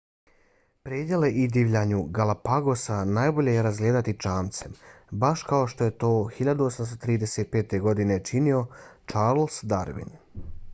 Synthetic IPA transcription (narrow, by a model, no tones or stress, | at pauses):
pɾeːd̪jele̞ʔid̪iːʋʎaɲuɡalapaɡo̞sanaːjbo̞ʎe̞jeɾazɡle̞ːd̪at̪it͡ʃaːmt̪se̞mbaʃkaoʃt̪o̞je̞t̪o̞ːxiʎad̪uosamst̪ot̪ɾiːd̪e̞seːt̪̚pe̞ːt̪e̞ɡo̞d̪ine̞t͡ʃinio̞t͡ʃaːɾlsd̪a̰ɾʋḭn